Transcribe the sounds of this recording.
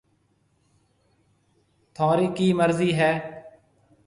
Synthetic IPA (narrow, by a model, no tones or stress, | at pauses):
t̪ʰaːɾiːkiːməɾziːɦɛː